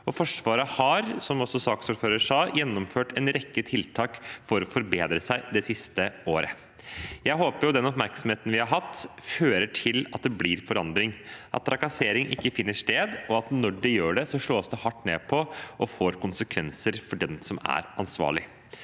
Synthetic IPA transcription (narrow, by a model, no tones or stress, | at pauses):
ɔfɔʂʋɑːɾəhɑɾsɔmɔsɔsɑːksuːɾføːɾəʂɑːjɛnːɔmføːʈɛnɾɛkːət̪ʰɪlt̪ʰɑːkfɔɾɔfɔɾbeːd̪ɾəsæɪd̪ɛsɪst̪əoːɾə | jæɪɦoːpəɾjʊd̪ɛnɔpmæɾksɔmheːt̪n̩ʋɪhɑɾɦɑt̪ːføːɾəʈʰɪlɑt̪̚d̪ɛbliːɾfɔɾɑnd̪ɾɪŋʔɑt̪ʰːɾɑkɑseːɾɪŋʔɪkːəfɪnːəʂt̪eːd̪ɔɑt̪nɔɖɛjøːɖɛsɔʂɭoːsd̪ɛhɑʈːnḛːpʰɔʔɔfoːɾkʊnsəkʰʋɛnsəɾfɔɖɛnsɔmæ̰ɾɑnsʋɑ̰ːɭɪ